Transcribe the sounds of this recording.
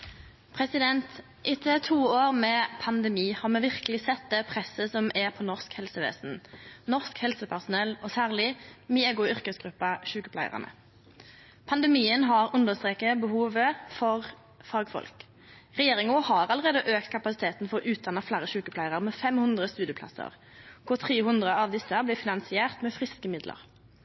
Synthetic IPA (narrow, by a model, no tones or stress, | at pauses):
pʰʁɛsɪd̪ɛnt̪ | ʔɪt̪ʰət̪ʰuːoːʁmɛːpʰɑnd̪əmiːhɑʁmɛʋɪʁkəlɪsɛt̪̚d̪ɛpʰʁɛsːəsɔmɛpʰɔːnɔʁskhɛlsəʋḛːsn̩nɔʁskhɛlsəpʰæʁsʊnɛlɔsæːʁlɪmɪɛɡʊʏʁkəsɡʁʉpːɑʃʉːkəpʰlæɪə̰ʁə̰nə̰ | pʰɑnd̪əmiːənɦɑʁʉnd̪əʁst̪ʁeːkəbəhuːʋəfɔʁ | fɑːɡfɔ̰lk | ʁɛjeːʁɪŋʊhɑʁɑləʁeːd̪əʔøːk̚t̪kʰɑpɑsɪt̪ʰeːt̪n̩fɔʁɔʔʉːt̪̚d̪ɑnːəflæːɾəʃʉːkəpʰlæɪʁəʁmɛːfɛmhʉnd̪ʁəst̪ʉːd̪ɪəpʰlɑ̰sə̰ʁ | kʰʊʁt̪ʰʁeːhʉnd̪ʁəɑʋd̪ɪsəblɪːfɪnɑnsɪæːʁt̪mɛːfʁɪskəmɪd̪lʔə̰ʁ